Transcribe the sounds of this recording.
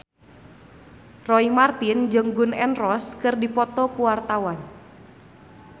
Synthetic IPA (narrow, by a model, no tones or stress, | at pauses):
rɔimart̪ind͡ʒəŋɡʊnɛnrɔskɨrdipɔt̪ɔkuwart̪awan